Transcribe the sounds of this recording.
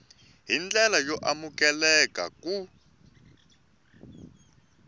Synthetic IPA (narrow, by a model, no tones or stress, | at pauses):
ɦind͡ɮɛlajɔʔamukɛlɛka̰ku